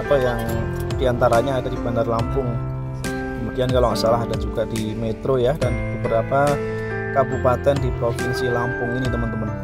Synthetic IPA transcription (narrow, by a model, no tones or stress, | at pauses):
pajaŋ | d̥iant̪aɾaɲaːdadibanarlampʊŋ | kəmudiankalaŋaʔsalaɦadad͡ʒuɡadimet̪ɾojadanbəbəɾapa | kabupat̪ɛndipɾofinsilampʊŋinit̪əmənt̪əmən